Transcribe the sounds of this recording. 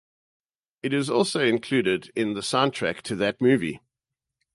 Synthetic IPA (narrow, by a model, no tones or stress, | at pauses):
ɪɾɪzɔˑlˠsəʊɪ̃nkʰl̥ʉːɾɪdɪ̃nðəsãʊ̃ntʰɹ̥æ̰k̚tʰəðət̚mʉːvḭ